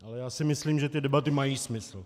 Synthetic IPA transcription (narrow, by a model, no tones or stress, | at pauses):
ʔalɛjaːsɪmɪsliːmʒɛt̪ɪdɛbat̪ɪmajiːsmɪsl̩